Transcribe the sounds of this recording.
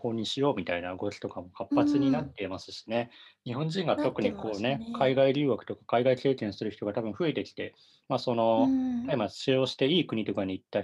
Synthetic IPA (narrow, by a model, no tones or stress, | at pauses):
ko̞ːɲ̟iɕijo̞ːmʲit̪ainaɡo̞ɾʲi̥t̪o̞kamo̞kʰapːat͡sɨɲ̟inat̪ːe̞imasɨ̥ɕi̥ne̞ɲ̟iɦõ̞ɲ̟d͡ʑĩŋɡat̪o̞kɯ̟ɲ̟ikʰo̞ːne̞kʰaiɡaiɾʲɨːβakɯ̟̥t̪o̞kḁkaiɡaik̪e̞ːkẽ̞ɰ̃sɨɾɯ̟çi̥t̪o̞ɡat̪abɯ̟̃ɰ̃ɸɯ̟e̞t̪e̞kʲi̥t̪e̞ | maso̞no̞t̪aimaɕio̞ːɕi̥t̪e̞iːkɯ̟ɲ̟it̪o̞kaɲ̟iːt̪ːa